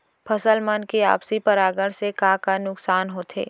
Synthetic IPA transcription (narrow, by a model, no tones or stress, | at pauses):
pʰɐsəlmənkea̰ːpsipɐɾaːɡəɽsekaːkanʊksaːnɦoːt̪ʰḛː